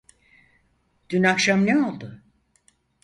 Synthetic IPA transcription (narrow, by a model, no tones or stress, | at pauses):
d̪̥ynakʃamneo̞lˠd̪ʊ